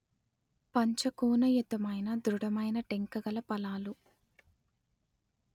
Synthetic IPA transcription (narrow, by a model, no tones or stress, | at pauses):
pɐɲt͡ʃɐkuːnɐjut̪ɐmɐjnɐd̪ɾuɽɐmɐjnɐʈeŋkɐɡɐlɐpɐlaːlu